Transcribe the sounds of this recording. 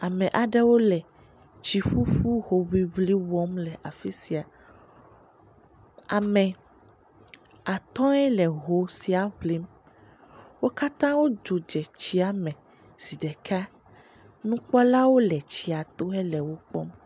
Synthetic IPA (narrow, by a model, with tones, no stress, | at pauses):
a˨mɛ̃˨ʔa˨ɖɛ˦wo˦lɛ˨ | t͡ʃi˨ɸu˦ɸu˦ɦo˨βi˦βli˦wɔ˦mlɛ˨ʔa˨fi˦si˨a˨ | a˨mɛ̃˨ | a˨t̪ɔ̃˦ɛ˦lɛ˨ɦo˨si˨a˨ɸli˦m | wo˦ka˦t̪ã˦wo˦d͡ʒo˨d͡ʒɛ˨t͡ɕi˦a˨mɛ̃˨ | si˨ɖɛ˨kʰa˦ | nũ˦k͡pɔ˦la˦wo˦lɛ˨t͡ɕi˨a˨t̪o˦ɦɛ˦lɛ˨wo˦k͡pɔ̰˦m